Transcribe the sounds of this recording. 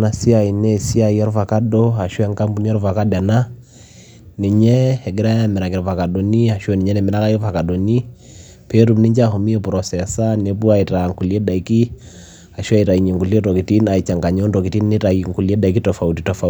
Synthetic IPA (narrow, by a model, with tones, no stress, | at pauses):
na˨si˦a˨i˨nɛ˦si˦a˨ja˦ɾva˨ka˦dɔ˦a˨ʃu˦ɛ˦ŋka˦mbu˦ni˦a˦ɾva˨ka˦da˨na˦ | ni˨ɲɛ˦hɛ˨ɡɛ˦ɾa˦mɛ˨ɾa˨kɛ˨ɾɔva˨ka˨dɔ˨ni˦a˨ʃɛ˦ni˨ɲɛ˦nɛ˨mɛ˨ɾa˦ka˦i˦va˨ka˨dɔ˨ni˦ | pɛ˦ɾu˨mni˦ɲd͡ʒa˦hɔ˨mi˦ɛ˦pu˨ɾɔ˨sɛ˨sa˦nɛ˦pu˦a˦i˨ta˨ŋku˨li˨˦ɛ˦da˨i˦ki˦ | a˨ʃu˦a˦i˨ɾa˨i˨ɲɛ˨ŋɡu˨li˦ɛ˦tɔ˨ki˨ti˦na˨i˨t͡ʃa˨ŋɡa˨ɲɔ˦ndɔ˨ki˨ti˦n˦ni˦ta˨iŋku˨li˦ɛ˦da˨i˦ki˦tɔ˨fa˨u˦ti˨tɔ˨fa˨